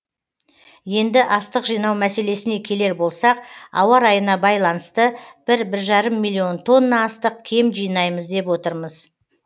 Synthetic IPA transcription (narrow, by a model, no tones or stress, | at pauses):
je̞nd̪ɪʔɑst̪əqʒijnɑwmæse̞le̞sɪne̞kʲʰe̞le̞ɾbo̞lˠsɑqɑ̰wɑɾɑjənɑbɑjlˠɑnəst̪əb̥ɪɾbɪɾʒɑɾəmːilʲːio̞nt̪ʰo̞nːɑːst̪əq̚kʲʰe̞mʒijənɑjməzd̪e̞pwo̞t̪əɾməz